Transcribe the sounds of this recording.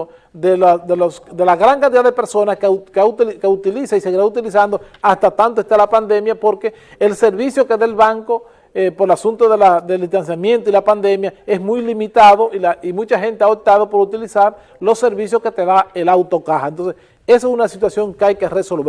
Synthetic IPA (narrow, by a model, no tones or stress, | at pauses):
ðelasd̪elosd̪elaɣɾaŋkãnt̪iðaðepe̞ɾso̞naskkakeut̪ilisaiseɣiɾaut̪ilisand̪o̞ | ast̪at̪ant̪oest̪alapand̪e̞mjapo̞ɾke̞ | else̞ɾβisjoke̞ðaelβaŋko | epoɾelasunt̪oðelaðeld̪ihst̪ansjamje̞nt̪oilapand̪e̞mjae̞smujlimit̪aðo̞ʔilaimũt͡ʃaxe̞nt̪eaop̚t̪að̞o̞po̞ɾut̪ilisaɾ | lo̞se̞ɾβisjoske̞t̪e̞ðaelawt̪o̞kahaent̪onses | esoesunasit̪wasjo̞ŋkeajke̞reso̞lβ